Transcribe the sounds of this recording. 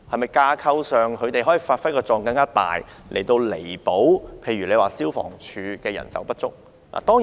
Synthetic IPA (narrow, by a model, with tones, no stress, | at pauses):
hɐ˨jmɐ˨jkaː˧kʰɐ˧wsœː˨ŋkʰɵ˨˧ɥt̪e˨jhɦɔː˨˥jiː˨˩faː˧t̚fɐ˥jkɔː˧t͡ʃɔː˨ŋkɐ˧ŋkaː˥t̪a̰ː˨jlʔḛ˨˩jt̪o˧wle˨˩jpo˨˥wpʰe˧jɥyː˨˩le˨˧waː˨siː˥wfɔ̰ː˨˩ŋt͡ʃʰyː˨˧kɛː˧jɐ̰˨˩nsɐ̰˨˥wpɐ˥t̚t͡sʊ˥k̚ | lʔa̰ː˨˩t̪ɔː˥ŋ